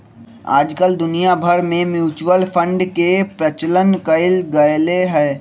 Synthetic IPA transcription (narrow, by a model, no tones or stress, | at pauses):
a̰ːd͡ʒkəld̪ʊnijabʱəɾmẽmjuːt͡ʃwəlpʰə̃ɳɖkepɾət͡ʃələnkəɪlɡɐjleɦɛː